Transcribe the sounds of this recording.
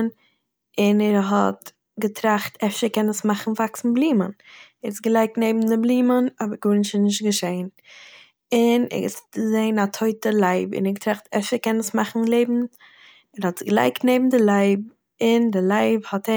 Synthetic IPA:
n | ɪnɛɾɦɔt | ɡətɾaχtʰɛfʃəɾkɛnəsmaχn̩vaksn̩blˠiːmən | ɛɾɪsɡəlˠaɪk̚tneɪbm̩dɪblˠiːmənɔbəɾɡuɾnɪʃɪnɪʃ̬tɡəʃeɪn | ɪnɛ̰ɪsəzeɪnatʰoɪtəlˠaɪbɪ̰nɛɾɡətɾaχtɛfʃəɾkɛnəsmaχn̩lˠeɪbm̩ | ɛɾhɔtɡəlˠa̰ɪktneɪbm̩dɪlˠaɪb̚ | ɪndɪlˠaɪbhɔtɛ

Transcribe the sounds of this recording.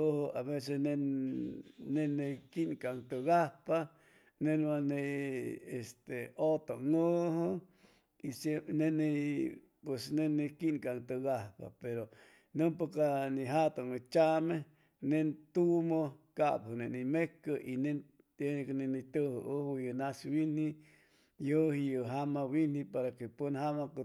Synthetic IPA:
ohoaβes̬esne | nenekinkaŋt̪ɨɡahpa | nenaneest̪eot̪oŋoho | isenene | pwesnenekinkaŋt̪ɨɡahpa̰peɾo | nɨmpakanĩɦat̪oŋet͡ʃame | nent̪umokaphɨnenimekəʔinẽ | eknẽnit̪əhʔohujənaswini | johjəɦamawinipaɾakepənhamak

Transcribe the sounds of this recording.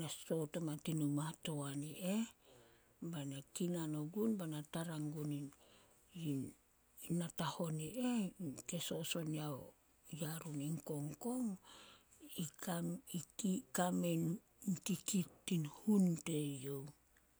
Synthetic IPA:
naso̞tomatinumato̞aniʔe | banakinanoɡunbanataɾaŋɡunin | in | nataho̞niʔeke̞so̞so̞niao | jaɾuniŋko̞ŋko̞ŋ | ikaikikamen | kikitːinhunte̞jo̞w

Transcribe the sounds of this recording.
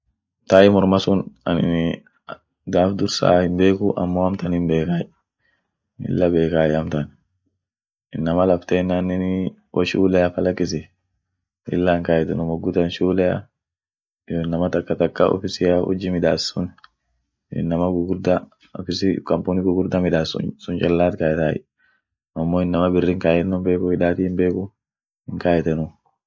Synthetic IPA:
t̪aːjɪmɔɾmɐsʊnɐ̰nɪ̰ | d̪aːfd̪ʊɾsa̰ːhɪmbe̞ːkʊʔɐ̰mːoːɐmt̪ɐnhɪmbe̞ːkaːj | ɪ̰lːɐbe̞ːkaːjɐmt̪ɐn | ɪnːɐmɐlɐft̪eːnːanːɪn | wʔɐʃuːlɛjɐfɐlɐkːɪs̬ɪ | ɪ̰lːaːŋkajɛt̪ʊnʊmɔɡːʊt̪ɐnʃuːlɛɐ̰ | joɪnːɐmɐt̪ɐkːɐt̪ɐkːɐʔɔ̰fɪsɪjaʔɔ̰d͡ʒːɪmɪᶑ̪aːsːʊ̰n | ɪ̰nːɐmɐɡʊɡʊɾd̪ɐ | ɔfɪsɪkɐmpunɪɡʊɡʊɾd̪ɐmɪᶑaːsʊ̰sʊnt͡ʃʼɐlːaːt̪kaːjɛt̪aːjɪ̰ | ɐmːoːɪnːɐmɐbɪrːɪŋkaːjɛnːʊmbe̞ːkʊhɪᶑaːt̪iːɪmbe̞ːkʊ | hɪŋkaːjɛt̪ɛnʊ

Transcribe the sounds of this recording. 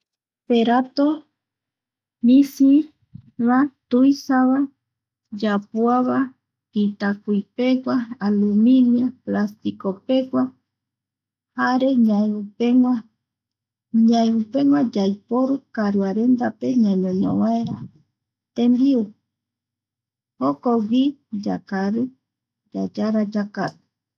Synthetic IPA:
peɾat̪o | misi | βat̪ujsaβa | d͡ʒapuaβa | pit̪akujpekʷaːluminiaplast̪ikope̞kʷa | haɾeɲaeupeŋa | ɲãeupeŋwad͡ʒajpoɾukaɾɨaɾend̪ape̞ɲãɲõɲõ̰βaeɾa | t̪embiu | hokoɡid͡ʒa̰kaɾɨ | d͡ʒad͡ʒaɾad͡ʒakaɾu̥

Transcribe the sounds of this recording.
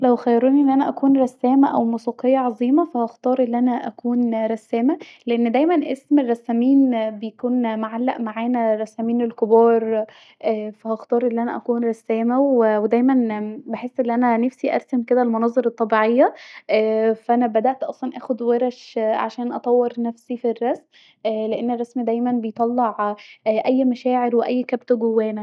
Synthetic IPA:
læwxæjːɑɾˤuːniʔenːʔænæʔækuːnɾˤɑsːæːmæʔæwmuːsiːqejːɑʕɑzˤiːmɑfæhɑxt̪ˤɑːɾˤʔelːiʔænæʔækuːnɾˤɑsːæːmæleʔenːd̪æjmænʔesmerːɑsːæmiːnbejækuːnmaʕalːæʔmaʕaːnæɾˤɑsːæmiːnelkobɑːɾˤ | ʔæːfæhɑxt̪ˤɑːɾˤʔelːiʔænæʔækuːnɾˤɑsːæːmæwewed̪æjmænbeħesːʔelːiʔænænæfsiʔæ̰ɾˤsæmked̪ælmonɑzˤɑɾˤɑt̪ˤːɑbiːʕejːæʔːfæʔænæbæd̪æʔt̪ʔɑsˤlɑnʔæːxod̪weɾɑʃʕa̰ʃæːnʔɑt̪ˤɑwːeɾnæfsifirːɑsmː | leʔenːerˤːɑsmid̪æjmænbejt̪ˤɑlːɑʕʔæjːmæʃæːʕeɾweʔæjːkæbt̪oɡowːæːnæ

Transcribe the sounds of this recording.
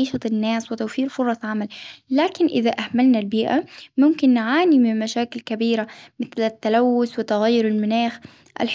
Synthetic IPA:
iːʃat̪ɪnːaːswɪt̪awfiːɾfʊɾˤɑsʕamalːaːkɪnʔɪðaʔahmalnalbiːʔamʊmkɪnːɪʕaːnimɪmmaʃaːkɪlkabiːɾamɪθlɪt̪ːalawːʊswɪt̪aɣajːʊɾɪlmʊnaːx | ʔa̰lħ

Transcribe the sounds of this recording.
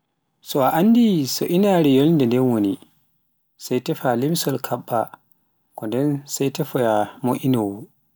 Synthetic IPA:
sɔaʔanːdisɔʔinaɾɛjɔlndɛndɛnwoni | sajtɛfalemisɔlkʰaɓːa | kɔndɛnsajtɛfɔjamoʔinowu

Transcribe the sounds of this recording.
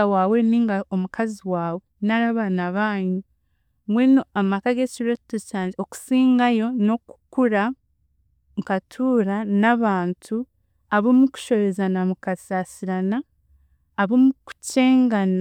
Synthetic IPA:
waːweniːŋɡaomukʰaziwaːβonaɾaβanaβaːɲu | mwenoamakaɡeciɾotocaːɲɟeoku̥siːŋɡajo̞no̞ku̥kuɾa | ŋkatʰuːɾanaβaːntʰu | aβomuku̥ʃo̞βezanamukasaːsiɾanaː | βomuku̥ce̞ːŋɡan

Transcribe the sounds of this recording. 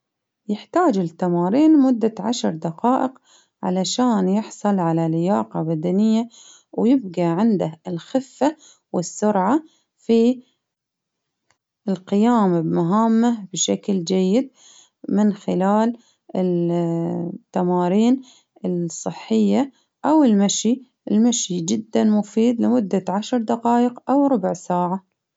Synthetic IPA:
jɪħt̪aːd͡ʒɪlt̪ːamɑːɾiːnmʊd̪ːaʕaʃɾˤd̪aqɑːʔɪq | ʕa̰laʃaːnjɪħsˤɑlʕalalɪjaːqɑbad̪anɪjːa | wjɪb̚ɡaʕɪnd̪aɪlxɪfːa | wɪsːʊɾʕa | fi | ɪlqɪjaːmbmʊɦamːabʃakld͡ʒajːɪd̪̚ | mɪnxɪlaːl | ɪ | t̪ːamɑːɾiːn | ɪsˤːɨħːɪjːa | ʔawɪlmaʃi | ɪlmaʃid͡ʒɪd̪ːanmʊfiːd̪lɪmʊd̪ːaʕaʃɾˤd̪aqɑːjɪqʔawɾˤʊbʕsaːʕa

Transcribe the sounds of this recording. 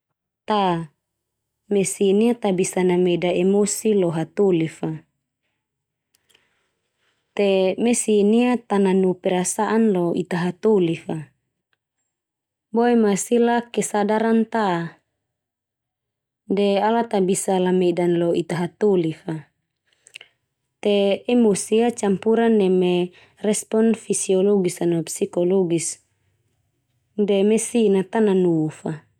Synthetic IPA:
t̪a | mesiniat̪abisanamedaɛmosiloɦat̪ulifa | t̪emesiniat̪ananupɛɾasaʔanloit̪aɦat̪olifa | boɛmasilakɛsadaɾant̪a | dɛalat̪abisalamɛdanlɔit̪aɦat̪olifa | t̪ɛɛmusiat͡ʃampuɾanːɛmɛ | rɛspɔnfisiɔlɔɡisanɔpsikɔlɔɡis | dɛmɛsinat̪ananufa

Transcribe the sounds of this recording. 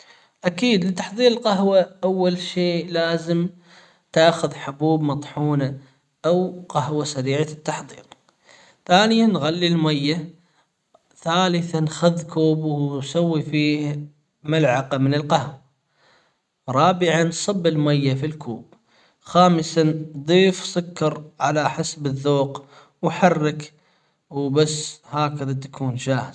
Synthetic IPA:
ʔakiːd̪lɪt̪aħðˤiːɾɪlqaɦwaʔawːalʃeːʔlaːzɪm | t̪aːxʊðħʊbuːbmɑt̪ˤħuːna | ʔawqaɦwasaɾiːʕat̪ːaħðˤḭːɾ | θaːnɪjanɣalːilmajːa | θaːlɪθanxaðkuːbwnsawːifiːh | malʕaqamɪnɪlqahwa | ɾˤɑːbɪʕansˤɨbːɪlmajːafilkʰuːb | xaːmɪsand̪ˤiːfsˤʊkːɑɾˤʕalaħasbɪðːoːq | wħarːɪk | wbasːhaːkɪðat̪ḁkʰuːnd͡ʒaːhɪz

